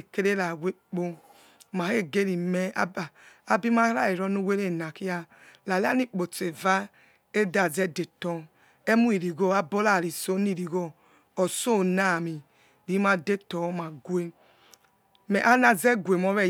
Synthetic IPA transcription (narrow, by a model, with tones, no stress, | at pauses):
ke˦ɾe˦la˨wʷe˦k͡po˦ | ma˨he˦ɡe˦ɾi˨mɛ˦a˦˨a˦bi˦ma˦ɾa˦˨i˨ɾɔ˦nu˦we˦ɾe˦˨na˨ki˦a˦ | la˨li˦a˦ni˦k͡po˨t͡se˨va˦ | e˦da˨zɛ˦de˨tɔ˨ | e˦mu˦i˨ɾi˨ɡo˦a˦bo˦la˦˨ɾi˨so˦ni˦˨ɾi˨ɡo˦ | ɔ˨so˦˨na˦˨mi˨ | ɾi˨˦ma˦de˦tɔ˨˦ma˨ɡwe˦ | mɛ˨ʔa˦na˨zɛ˦ɡʷe˨mɔ˦βɛ˦